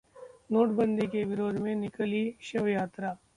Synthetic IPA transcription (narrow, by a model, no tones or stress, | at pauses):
noːʈbə̃nd̪ʱikeʋɪɾoːd̪ʱmẽnɪkəliʃɐʋjaːt̪ɾaː